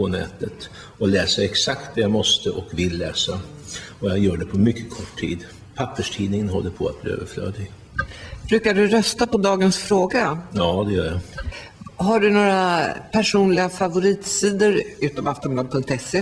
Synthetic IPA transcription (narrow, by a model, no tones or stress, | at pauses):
pʰɔnɛ̰ːt̪ət̪ | ɔlɛːsəɾɛksakt̪̚d̪ɛjamɔst̪əʔɔkvɪlːɛːsa | ɔjajœːɖɛpʰɔmʏkːəkʰɔʈʰːḭːd̪ | pʰapːəʂʈʰiːnɪŋənɦɔ̰lːəpʰɔat̪̚blḭːø̰ːvəɾflø̰ːd̪ɪɡ | b̥ɾʉ̟ːkaɖɵɾœst̪apɔd̪ɑːɡənsfɾoːɡajɑːd̪ɛjœːɾja | ɦaɖɵnoːɾapʰæʂuːnlɪɡafavʊɾiːt̪siːd̪əɾʉ̟ːt̪ɔmaft̪ɔnmblɑːd̪̚pʰɵŋkt̪ɛsːeː